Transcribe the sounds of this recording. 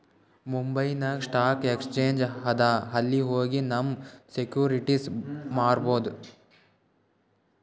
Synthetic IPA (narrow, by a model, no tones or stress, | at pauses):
mumbɐjnɐsʈaːkekst͡ʃeːɲd͡ʒɦɐd̪aːɦɐlːiɦoːɡinɐmːsekjuːɾiʈismaːɾboːd̪u